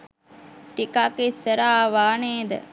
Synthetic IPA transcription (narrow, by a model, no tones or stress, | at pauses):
ʈikakesəɾaʋaːneːd̪ə̰